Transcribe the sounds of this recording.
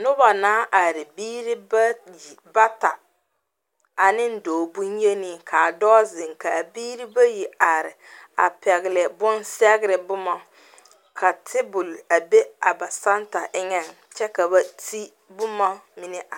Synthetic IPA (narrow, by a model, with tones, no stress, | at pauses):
nʊ˦ba˨naː˨˦ʔa˨ɾɪ˨biː˦ɾi˦ba˦ji˨ba˦ta˨ | a˨nɪ˦n̩˦doː˨bu˦nje˦ni˦kʰa˨dɔː˦zɪ˨ŋka˨biː˦ɾi˦ba˦ji˨a˨ɾɪ˨a̰˨pɛ˨ɣɪ˨lɛ˨bʊ˦nsɛ˦ɡɪ˦ɾɪ˨bʊ˦mɔ˨ | kʰa˨tʰɪ˦bʊ˨la˨be˦a˨ba˨sa˦nta˨ʔɪ˦ŋɛ˨ŋ | t͡ʃɛ˦ka˨ba˨ti˦ | bʊ˦ma˦mi˦nɪ˦ʔa˨